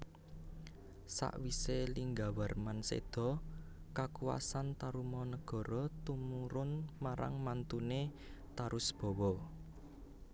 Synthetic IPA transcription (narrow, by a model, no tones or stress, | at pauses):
sa̰ʔwiseliŋɡawarmansḛd̪̥ɔ̤ | kakuwa̰sant̪aɾumɔnəɡ̥ɔ̤ɾɔt̪umuɾʊnmaɾa̰ŋmant̪une | t̪aɾʊsb̥ɔ̤wɔ